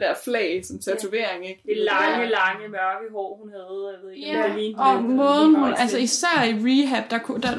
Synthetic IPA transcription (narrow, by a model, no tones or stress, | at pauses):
d̥æɐflɛ̰ːɪsɒ̽mt͡sʰæt͡sʰue̝̰ɐ̰e̝ŋeɡ̥d̥elɑəlɑ̈ŋəmɶɐɡ̥əɦɒ̰ːhunhɛðˠæʋeð̰ˠɡ̥ææliːɒ̽mɔ̽ːðˠn̩ɦunælsəisæɐ̰iʁiɦæb̥̚d̥ɑ̈kʰud̥æ